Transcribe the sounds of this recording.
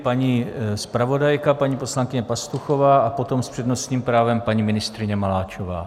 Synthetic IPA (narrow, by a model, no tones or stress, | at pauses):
paɲispɾavo̞dajkapaɲiːpo̞slaŋkɪɲɛpast̪uxo̞vaːʔapo̞t̪o̞mspr̝̥ɛdno̞st̪ɲiːmpɾaːvɛmpaɲiːmɪnɪst̪ɾɪɲɛmalaːt͡ʃova̰ː